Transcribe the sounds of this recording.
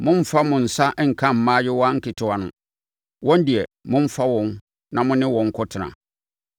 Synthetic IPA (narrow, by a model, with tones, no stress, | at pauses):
mʊ̃˦m̩˦fa˦mʊ̃˨n̩˨sa˦ŋ̩˨kʰã˦m̩˨mãː˦jɪ˦wa˦ŋ̩˦kʰɪ˨tʰɪ˦wa˨nʊ̰̃˨ | wɔ̃˦n˦dɪ˨ɛ˨mʊ̃˦m̩˦fa˦wɔ̃˦n | nã˨mʊ̃˦nɪ̃˦wɔ̃˨ŋ̩˦kʰɔ˦tʰɪ˨nã̰˨